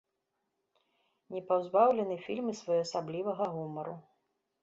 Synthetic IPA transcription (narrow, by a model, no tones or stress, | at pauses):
nʲɛpawzbawlʲɛnɨfʲilʲmɨsvajɔɐsablʲivɐɣɐɣumɐɾu